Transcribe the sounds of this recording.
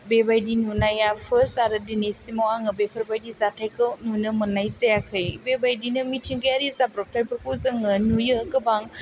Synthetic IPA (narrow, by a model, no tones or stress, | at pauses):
bebajdinunajafəsaɾədinisimawaŋəbepʰəɾbajdizatajkənunəmənajsejakʰəjbebajdinəmitʰiŋɡəaɾizapɾɔp̚tajpəɾkuzəŋənujəkəbaŋ